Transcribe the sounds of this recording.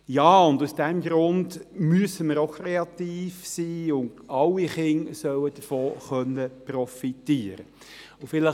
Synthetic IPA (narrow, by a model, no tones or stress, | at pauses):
jaːʊndusd̥ɛmɡɾʊndmyəsəməɾoʊkʰɾeɑt̪iːfsiːʊndɑlːiχɪŋsœwəd̥əfoːχœnːəprɔfitiːəɾə | ʊfɪlə